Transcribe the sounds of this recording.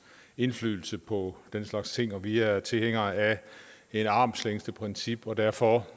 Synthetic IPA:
e̝nfly̰ːl̩səpʰɒ̽d̥enslɑ̈ɡ̥st͡sʰe̝ŋ̰ɒ̽ʋiæɐt͡sʰe̝lheŋ̰ɐæe̝nɑ̈ːmsleŋsd̥əpʰʁɛnsib̥ɒ̽d̥æɐ̰fɒ̽

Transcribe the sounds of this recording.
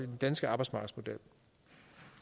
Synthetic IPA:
id̥end̥ænsɡ̥əɑ̈bɑ̈ɪdsmɑ̈ːɡ̥əsmo̝d̥el̰

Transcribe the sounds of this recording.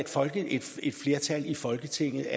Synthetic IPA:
d̥fɒ̽lɡ̥əed̥e̝d̥fle̝ɐt͡sʰælifɒ̽lɡ̥ət͡sʰe̝ŋ̰ð̩ˠæ

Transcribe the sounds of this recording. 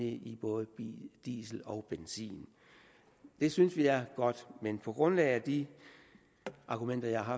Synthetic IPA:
iib̥ɔ̽ːðˠəd̥ḭːsl̩ɒ̽ʊb̥ensḭːn | d̥e̝synsʋiæɐɡ̥ɒ̽d̥menpʰɒ̽ɡ̥ʁɔ̽nlɛ̰ɪæd̥i | ɑ̈ɡ̥umen̰d̥ɐjɑ̈hɑ̈ɦɑ

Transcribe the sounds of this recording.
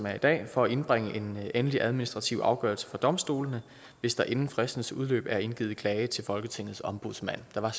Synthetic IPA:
mæɐid̥ɛ̰ːfɒ̽æe̝nb̥ʁaŋ̰əʔe̝nenəliʔæð̞ˠminisd̥ʁɑ̈t͡sʰiʊɑ̈ʊɡ̥ɶ̰ɐlsə̥fɒd̥ɒ̽msd̥o̝̰ːlənə | ʋe̝sd̥ɑ̈ʔe̝nn̩fʁɛsd̥n̩suð̞ˠlø̰ːb̥æɐe̝nɡ̥ḭːð̩ˠkʰlɛːɪət͡sʰe̝lfɒ̽lɡ̥ət͡sʰe̝ŋ̰ð̞̩ˠsɒ̽mb̥uðˠsmæn̰d̥ɑ̈ʋɑ̈

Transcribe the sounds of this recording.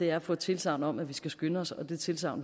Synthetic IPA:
e̝æɐfɔ̽t͡sʰe̝lsɑ̈ʊnɒ̽mæʋisɡ̥æsɡ̥ønəɒ̽sɒ̽d̥e̝t͡sʰe̝lsɑ̈ʊn

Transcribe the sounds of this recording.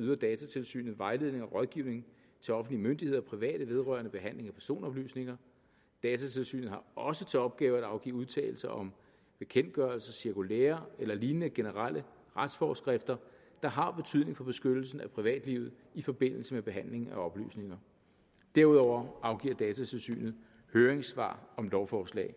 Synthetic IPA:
yðˠɐd̥ɛːt͡sʰæt͡sʰe̝lsy̰ːnð̩ˠʋɑ̈ɪle̝ð̞ˠne̝ŋɒʁɒ̽ðˠɡ̥iʊne̝ŋ | t͡sʰe̝ɒ̽fn̩d̥liəmønd̥ihe̝ðˠɒpʰʁiʋɛ̰ːɾ̥əʋe̝ð̞ˠʁɶɐnəb̥e̝ɦæn̰le̝ŋæpʰæɐso̝̰ːnɒ̽b̥ly̰ːsne̝ŋɐ | d̥ɛːt͡sʰæt͡sʰe̝lsy̰ːnð̩ˠhɑ̈ɒ̽sət͡sʰe̝ɒ̽b̥̚ɡ̥ɛːʊædɑ̈ʊɡ̥ḭːuð̞ˠt͡sʰɛ̰ːl̩sɐʔɒ̽m | b̥e̝kʰen̰d̥ɡ̥ɶɐlsɐsiɐkʰulḛːɐelɐliːnənəɡ̥e̝nəʁɑl̰ə | ʁad̥sfɒːsɡ̥ʁefd̥ɐ | d̥ɑ̈ɦɑ̈b̥e̝t͡sʰyðˠne̝ŋfɒ̽b̥e̝sɡ̥ød̥l̩sn̩æpʰʁiʋɛ̰ːd̥liːʊð̩ˠ | ifɒ̽b̥e̝n̰l̩səmeb̥e̝ɦæn̰le̝ŋ̩æɒ̽b̥ly̰ːsne̝ŋɐ | d̥æɐ̰uðˠɒʊ̰ɐɑ̈ʊɡ̥ḭɐd̥ɛːt͡sʰæt͡sʰe̝lsy̰ːnð̩ˠ | høːɐʁeŋsʋɑ̰̈ːɒ̽mlɒʊfɒːslɛ̰ːɪ

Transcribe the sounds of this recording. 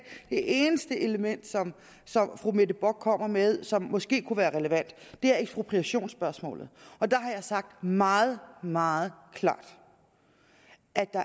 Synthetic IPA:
d̥e̝ʔe̝ːnəsd̥əʔe̝ləmen̰d̥sɒ̽m | sɒ̽mfʁume̝d̥əb̥ɒɡ̥̚kʰɒ̽m̰ɐmeðˠsɒ̽mːɒ̽sɡ̥e̝̰ːkʰuʋæːɐʁɛləʋæn̰d̥d̥e̝æɐeɡ̥sb̥ʁo̝pʰʁiæɕo̝̰ːnsb̥ɶɐsmɔ̰ːlð̩ˠɒ̽d̥ɑ̈ɦɑ̈jɑ̈ɪsɑ̈ɡ̥̚d̥mɑ̈ːð̞̩ˠmɑ̈ːð̩ˠkʰlɑ̰̈ːd̥ | ʔæd̥ɑ̈

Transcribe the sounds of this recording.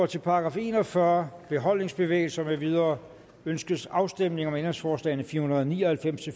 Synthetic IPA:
t͡sʰe̝lpʰɑ̈ɑɡ̥ʁɑ̈ːfe̝ːnɒfɶɐb̥e̝ɦɒ̽l̰ne̝ŋsb̥e̝ʋḛːɪlsɐmeʋið̞ˠɐː | ønsɡ̥əsɑ̈ʊsd̥emne̝ŋɒ̽menʁeŋsfɒːslɛ̰ɪnəfiːɐhunɐðˠɒnḭːɒhælfem̰st͡sʰe

